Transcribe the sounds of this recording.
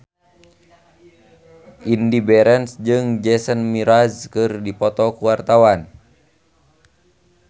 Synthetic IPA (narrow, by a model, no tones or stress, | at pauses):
ʔindibɛɾɛnsd͡ʒɨŋd͡ʒɛsənmiɾazkɨrdipɔt̪ɔkuwart̪awan